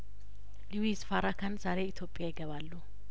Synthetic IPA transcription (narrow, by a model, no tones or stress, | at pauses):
luwisfaɾakʰanzaɾe̞it̪ʰjo̞pʼːjajɪɡəβalːu